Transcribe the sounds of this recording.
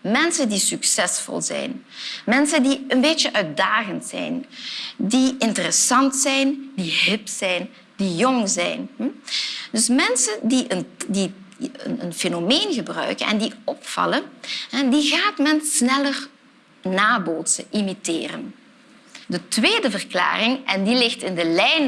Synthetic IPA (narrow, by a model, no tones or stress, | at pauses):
mɛnsəndisyksɛsfɔ̰lˠzɛ̰jn | mɛnsəndiənbeːt͡ʃəʔœɥt̚daːɣəntsɛ̰jndiɪntərəsɑntsɛjnd̥iɦɪpsɛjn | d̥ijɔŋzɛ̰jnɦm̩dɵsmɛnsəndiʔəndiə̰nə̰nfenomeːnɣəbrœ̰ɥkənʔɛ̰ndiɔpfɑ̰lənɦɛdiɣaːtmɛnsnɛlər | naːboːtsəʔimitɪ̰ːrə̰n | dətʋeːdəvərkla̰ːrɪŋʔɛndilɪxtɪndəlɛjn